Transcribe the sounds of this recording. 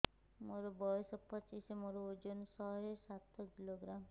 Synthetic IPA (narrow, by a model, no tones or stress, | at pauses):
moɾɔbɔsɔpɔt͡ʃisemoɾɔud͡ʒonsɔɦesat̪ʰɔkiloɡɾam